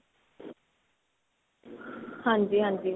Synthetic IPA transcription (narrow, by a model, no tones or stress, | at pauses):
hãːnd͡ʒiːɦãːnd͡ʒiː